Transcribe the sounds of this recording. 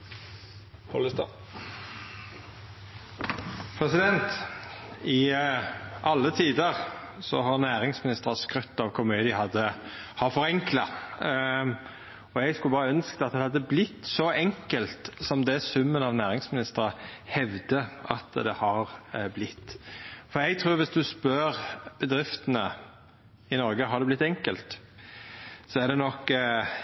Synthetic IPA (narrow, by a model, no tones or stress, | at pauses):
pʰolɪst̪ɑ | pʰɾɛsɪd̪ɛnt̪ | ɪ | ʔɑlːət̪ʰiːd̪əʁ | sɔ̰ɦɑʁnæːʁɪŋsmɪnɪst̪əʁɑskʁœt̪ːɑʋkʰʊɾmyːəd̪ɪəhɑd̪ːə | hɑʁfɔʁɛŋklɑ | ɔɛɡskʉlbɑːʁəœnskəd̪ɑt̪̚d̪ɛhɑd̪ːəblɪt̪ːsɔɛŋkəlt̪sɔmd̪ɛsʉmːənɑʋnæːʁɪŋsmɪnɪst̪əɾəhɛʋd̪əɑ̰t̪d̪ɛhɑɾblɪt̪ːfɔɾjɛɡt̪ʰɾʉːɾʋɪsd̪ʉspœɾb̥əd̪ɾɪft̪ənə | ɪnɔɾɡəɦɑɾd̪ɛblɪt̪ːɛŋkəlt̪ | sɔæɖ̪ɛnɔk